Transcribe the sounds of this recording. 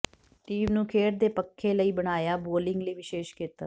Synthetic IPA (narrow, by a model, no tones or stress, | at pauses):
ʈiːmnũːkʰeːʈd̪eːpəkʰːeːləiːbəɽ̃aːjaːboːlɪ̃ŋɡləiːʋɪʃeːʃkiːt̪aː